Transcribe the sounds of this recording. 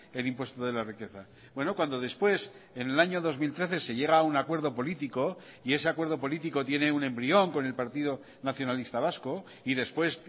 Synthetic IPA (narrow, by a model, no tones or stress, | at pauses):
e̞lĩmpwe̞st̪oðe̞larike̞θa | b̥we̞nokwand̪o̞ð̞e̞spwe̞senelaɲo̞ðo̞zmilt̪ɾe̞θe̞se̞ʝe̞ɣ̞aunakwe̞ɾðo̞po̞lit̪iko̞ | ie̞se̞akwe̞ɾðo̞po̞lit̪iko̞t̪je̞ne̞unẽ̞mbɾio̞ŋko̞ne̞lpaɾt̪iðo̞ | naθjo̞nalist̪aβ̞asko̞ | iðe̞spwe̞s